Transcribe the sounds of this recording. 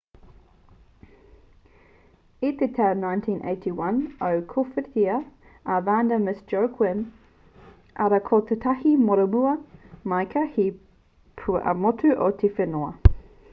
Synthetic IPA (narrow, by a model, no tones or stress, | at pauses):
it̪ʰetʰaʊnãɪ̃ntʰĩːnʔḛɪtʰiwɐ̃nəʊkʰofət̪ʰiə | ʔavaːndəmɪsd͡ʒəʊkʰwɪn | ʔɐɾɐkʰot̪ʰətʰahimɔɾəmuɐmaɪkʰəhi | pʰṵʔɐ̰mɔtʰʉʔotʰifenoɐ